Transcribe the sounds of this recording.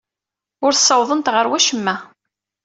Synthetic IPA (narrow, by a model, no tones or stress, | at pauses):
ʊɾθsˤːɑwðˤənt̪ʁəɾwæʃəmːæ